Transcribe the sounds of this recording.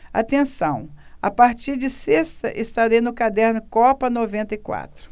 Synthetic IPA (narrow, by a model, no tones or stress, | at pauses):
a̰t̪ẽsɐ̃w̃a̰paɾt͡ʃiɾd͡ʒɪsest̪ɐʔɪst̪ad̪ẽjnʊkad̪ɛɾnʊkɔpɐnovẽnt̪ɐikwa̰t̪ɾʊ